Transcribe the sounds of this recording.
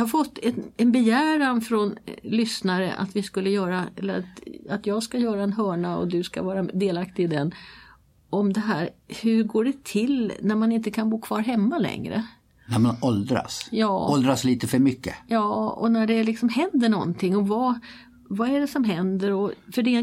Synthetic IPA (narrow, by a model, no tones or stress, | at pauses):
jɑhaɾfɔt̪ːɛnɛnbɛjæːɾanfɾɔnlʏsnaɾə̰ʔa̰t̪vɪskɵlːəjœːɾaɛ̰lːəɾat̪at̪jɑːɡskajœːɾaɛnɦœːɳaɔ̰d̪ɵska̰vɑːɾad̪eːlakt̪ɪd̪ɛn | ʔɔmd̪ɛɦæːɾhɵɾɡoːɖɛt̪ʰɪlnæɾmanɪnt̪əkʰanbuːkʰv̥ɑːɾɦɛmːalɛ̰ŋɾə̰ | næɾmanɔld̪ɾa̰sjɑːɔld̪ɾasliːt̪əfœɾmʏkːə̰jɑːɔ̰næɖɛlɪksɔmhɛnd̪əɳɔ̰nt̪ʰɪŋːɔva | vaæɖɛsɔmɦɛnd̪əɾɔfœɖɛ